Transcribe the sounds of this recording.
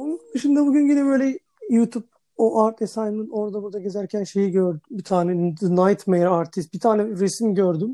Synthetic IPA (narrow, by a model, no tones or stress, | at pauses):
ond̪ɯʃimd̪ɛbuɟynɟinɛbø̞jlʲɛ | jut̪ʰup̚ | oʔaɾt̪ʰesajnɯnɯno̞ɾd̪abuɾd̪aɟe̞zæɾcʰænʃe̞jiɟøɾd̪ymbit̪ʰaːnɛd̪najt̪mejɾaɾt̪ʰist̪̚bit̪ʰaːnɛɾesimɟøɾd̪ym